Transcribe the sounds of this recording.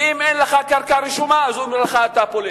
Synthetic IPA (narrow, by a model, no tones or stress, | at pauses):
imenleχakaʁkaɾiʃumaazumeʁeχaːt̪apoli